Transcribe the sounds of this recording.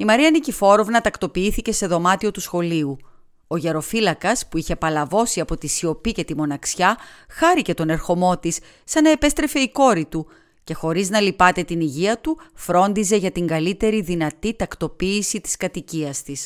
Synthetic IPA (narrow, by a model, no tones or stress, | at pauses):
imɐɾiɐnicifo̞ɾo̞vnɐt̪ɐkt̪o̞piiθice̞se̞ðo̞mɐt̪io̞t̪usxo̞liu | o̞ʝɐɾo̞filɐkɐspuiçe̞pɐlɐvo̞siɐpo̞t̪isio̞pice̞t̪imo̞nɐksçɐxɐɾice̞t̪o̞ne̞ɾxo̞mo̞t̪isː | ɐnɐe̞pe̞st̪ɾe̞fe̞iko̞ɾit̪u | ce̞xo̞ɾiznɐlipɐt̪e̞t̪iniʝiɐt̪ufɾo̞nd̪ize̞ʝɐt̪iŋɡɐlit̪e̞ɾiðinɐt̪it̪ɐkt̪o̞piːsit̪i̥skɐt̪iciɐst̪is